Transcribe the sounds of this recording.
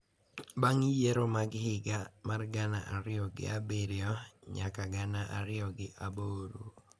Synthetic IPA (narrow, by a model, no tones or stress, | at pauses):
baŋjeɾomaɡhɪɡamarɡanaʔaɾɪɔɡɪ̰abeɾɪjɔɲakaɡanaʔa̰ɾɪɔɡɪʔaboːɾu